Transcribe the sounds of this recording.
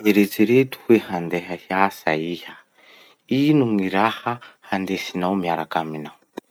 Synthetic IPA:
meɾet͡siɾet̪u̥hwehand̪ɛɦahjasaiha | inuŋiɾahahand̪esinawmiaɾakaminawu

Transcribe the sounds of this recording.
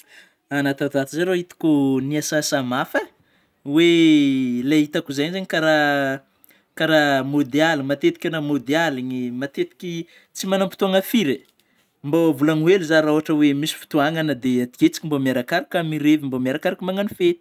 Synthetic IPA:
anat̪at̪at̪izaɾoit̪i̥kʲuniasasamafə | we | lait̪akuzaɲzaɲikaɾa | kaɾamod̪ealimat̪et̪i̥kʲanamod̪ealiɲimat̪et̪i̥kʲi | t͡simanampi̥t̪uaŋəfiɾe | mbavulaŋueluzaɾaoɦaʈ͡ʂəwemisi̥fu̥t̪uaŋanəd̪eat̪i̥ket͡si̥kʲimbomaɾakaɾikʲamiɾevimbomaɾakaɾakʲimaŋanifet̪i̥

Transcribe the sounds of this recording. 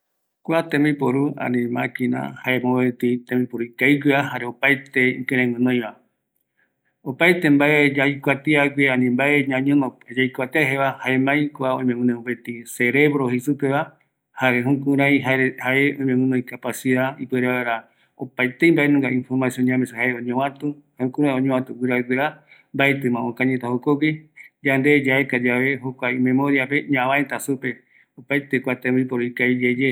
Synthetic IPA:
kʷat̪ẽmbipoɾuã̰nĩmãkĩna̰haemoet̪it̪ẽmbipoɾuikajɡʷiahaɾeopajt̪eḭkẽɾ̃ẽŋɨ̃nõj̃ʋa | opajt̪embaeajkʷat̪eaɡʷeãnĩmbaʔeɲãɲõnod͡ʒajkʷat̪eaɦeʋahaemãjkʷaõj̃mẽmũnẽupet̪ise̞ɾe̞βɾohisupeβa | haɾeɦũkũɾãj̃ɦahaeõĩmẽmũnõĩkapasiðaipeɾeaeɾa | opajt̪eimbaʔenũŋɡaĩnfoɾmasjõnɲãmesuhaeõɲõwãt̪ũhahũkũɾãjõɲõwãt̪uɡɨɾaiɡeɾambaet̪ɨmãõkãɲet̪ahokoɡid͡ʒand̪ed͡ʒaekad͡ʒaβe̞ɦokʷaimẽmõɾiape̞ɲãβãet̪asupe̞ | opajt̪ekʷat̪ẽmipoɾoikaid͡ʒed͡ʒe

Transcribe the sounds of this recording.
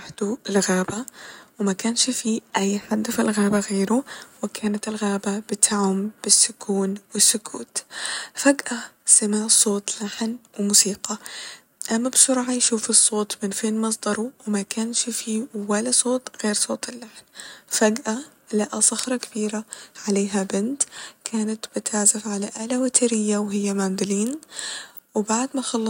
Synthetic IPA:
aħt̪uɪlɣaːbawmakaːnʃfiʔajːħad̪ːafɪlɣaːbaɣeːɾʊwɪkʰaːnat̪ɪlɣaːbabɪt̪ʰaʕʊmb̥ɪsːʊkʰuːnwɪsːʊkʰṵːt̪faɡʔasamaʕsˤoːt̪ˤlaħnwɪmʊsiːqɑ | ʔamːabsʊɾˤʕajʃuːfɨsˤːoːt̪mɪnfeːnmɑs̬ˤd̪ɑɾˤuwmakaːnʃfiwalasˤoːt̪ɣeːɾsˤoːt̪ɪlːaħnfaɡʔa | laʔasˤɑxɾˤɑkab̥iːɾaʕaleːɦabɪnt̪kʰaːnat̪b̥ɪt̪aʕzafʕalaʔaːlawat̪ɪɾɪjːawɦɪjːamaːmd̪ɪliːn | wbaʕd̪maxɑlː

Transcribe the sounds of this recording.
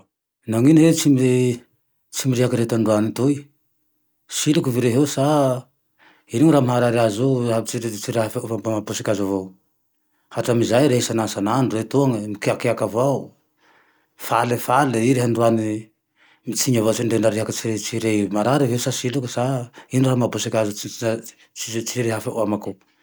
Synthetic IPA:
naŋinɦet͡sime | t͡simiɾiɦakiɾet̪aɳɖ͡ʐuanit̪uj | silukuviɾeɦesa | iniŋɾamaɦaɾaɾiazoabit͡siɾet͡siɾeɦffambamapusikʲazavo | haʈ͡ʂamizajɾeisanansanaɳɖ͡ʐuret̪uaŋəmikeakeakava | falefaleiɾeɦaɳɖ͡ʐuani | mit͡siɲavot͡siɳɖ͡ʐeɳɖ͡ʐaɾeɦakət͡siɾet͡siɾemaɾaɾiɦewsasilukusainiɾamabusikʲazu | it͡siɾeɦafaʔuamaku

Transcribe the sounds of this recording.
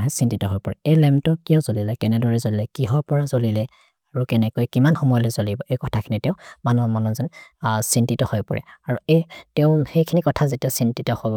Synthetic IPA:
ɦɛsintitɔɦojpɔɹɛejlɛmtɔkijɔzolilɛkɛnɛdɔɹɛzolilɛkiɦɔɹpɔɹazolilɛ | aɹukɛnɛkojkimanxɔmɔjɔlɔzolibɔʔejkɔtʰakʰinitɛʊ̃manɔmɔnɔzɔnsintitɔhojpɔ̰ɹɛ̰aɹuejtɛʊ̃xejkʰinikɔtʰazetiɔsintitɔhojb

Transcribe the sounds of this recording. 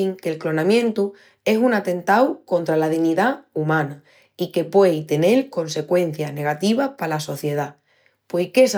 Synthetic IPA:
iŋke̞lklo̞nãmjẽ̞nt̪u | e̞sunat̪e̞nt̪awko̞nt̪ɾalað̞iɣniðaumãna | ike̞pwe̞jt̪e̞ne̞lko̞nse̞kwe̞n̟θjane̞ɣ̞at̪iβahpalaso̞θje̞ð̞a | pwejke̞s

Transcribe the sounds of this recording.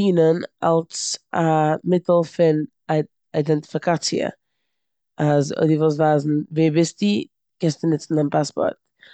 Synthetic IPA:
iːnəna̰lˠsamɪtl̩ˠfɪn | aɪdɛntɪ̥fɪkat͡siə̰ | azo̰ɪdivɔs̬vaːzn̩veːbɪsti | ɡ̥ɛstənɪt͡sn̩anpaspɔ̰ɾt̚

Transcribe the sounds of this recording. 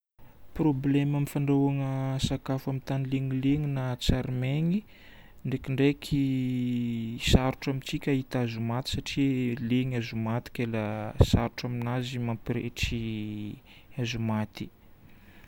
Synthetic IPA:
probleməmifaɳɖ͡ʐaaŋəsakafamint̪anileŋileŋinat͡saɾmeŋi | ɳɖ͡ʐekʲiɳɖ͡ʐekʰi | saɾuʈ͡ʂamit͡sikʲaɦit̪azumat̪i̥saʈ͡ʂileŋazumat̪i̥kʲelasaɾuʈ͡ʂaminazimampiɾḛʈ͡ʂi | azumat̪i̥

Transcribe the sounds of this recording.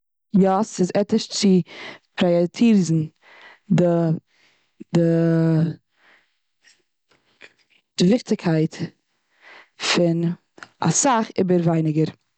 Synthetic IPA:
jɔsɪzɛtɪʃt͡sɪpɾɔjɛtʰiːɾzn̩ | də | dɪ | d̥ɪvɪχtɪkʰaɪt | fɪn | a̰saχɪ̰bəɾvaɪnɪɡəɾ

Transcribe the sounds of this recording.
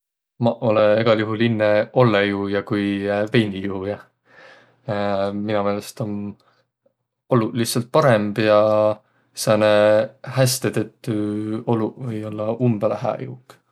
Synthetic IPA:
mɑʔo̞leeɡ̥ɑljuɦulinːeo̞lːejujɑkujve̞jnijuhujɑ | minume̞ːlest̪on | olulihtsɑlt̪̚pɑɾe̞mb̥jɑ | seɑnehæst̪et̪et̪ːˑyo̞luvɤjo̞lːɑumb̥elæɦæ̰jṵk

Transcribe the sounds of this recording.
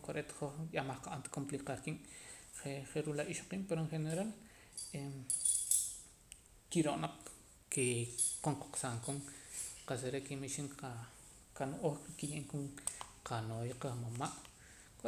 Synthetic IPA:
koɾʔet̪χoχjamaχqaʔant̪kompliqaɾkimχeχeɾulaʔiʃoqiːmpeɾoeɴχeneɾal | em | kiɾoʔnaq͡χ | keqoŋqo̥qsaŋkoŋqaseɾekimiʃiŋqa | kanoʔoχkijiʔŋkuŋqʰanojqaχmomaʔ | k

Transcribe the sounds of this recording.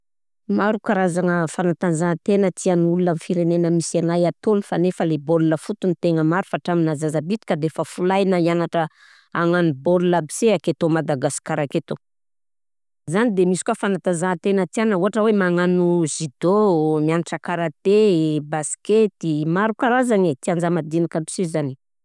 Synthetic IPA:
maɾukaɾazaŋəfanat̪azat̪enət̪ianulunamifiɾenenəmisanajat̪onifanefəleboluləfut̪unit̪eŋəmaɾufaʈ͡ʂaminazazabit̪i̥kad̪efəfulajnaianaʈ͡ʂə | aŋanubolulabi̥seaket̪omad̪aɡasi̥kaɾaket̪o | zanid̪emisi̥kwafanat̪azat̪enət̪ianəuɦaʈ͡ʂəwemaŋanuzid̪omianaʈ͡ʂəkaɾat̪ebasi̥ket̪imaɾukaɾazaŋet̪iand͡ʒamad̪inakai̥sizani

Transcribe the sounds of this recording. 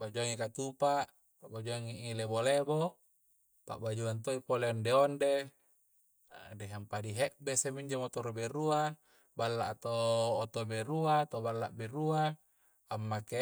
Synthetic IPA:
bad͡ʒuaŋikat̪upaʔ | paʔbad͡ʒuaŋiʔilebolebo | pa̰ʔbad͡ʒuant̪̬oipoleondeonde | deɦampadiɦeʔbesemiɲd͡ʒamot̪oɾobeɾua | balːa̰ʔt̪oːt̪obeɾuat̪obalːa̰ʔbeɾuaː | mːake

